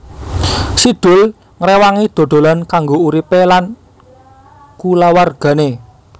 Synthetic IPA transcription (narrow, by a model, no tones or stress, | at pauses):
siɖ̪̥ʊ̤l | ŋɾewaŋid̪̥o̤d̪̥o̤lɔnkaŋɡouɾipelan | kulawarɡ̥a̤ne